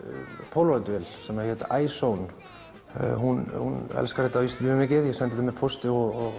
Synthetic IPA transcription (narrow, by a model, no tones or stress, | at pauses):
pʰowlvajt̪vɛlsɛmaçɛt̪aʔaːjsown̰ | hunhunɛ̰lskaɾhɛt̪ːaist̪ʏmʏmɪcɪðjɛɣsɛnɛt̪amɛðpʰost̪ɪɔɣɔɣ